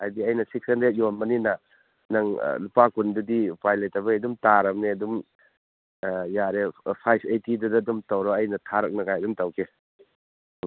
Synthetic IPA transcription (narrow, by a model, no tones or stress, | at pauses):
ajdiɐjnɐsikʰenɾet̚jonmɐninɐ | nɐŋ̰lupakundudipajlejtɐbɐedumtaɾɐmneɐdum | jaɾepʰajpʰejtidudɐdumtɐwɾɔɐjnɐtʰaɾɐk̚nɐɡajɐdumtɐwkʰe